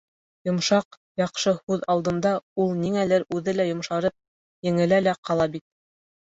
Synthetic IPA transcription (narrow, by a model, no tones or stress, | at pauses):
jŏmʃɑq | jɑqʃɤhʉðɑlˠd̪ɤ̆nd̪ɑulˠniŋælæɾʉðɘlæjŏmʃɑɾɤp̚ | jɘ̆ŋɘ̆lælæqɑlˠɑbit̪̚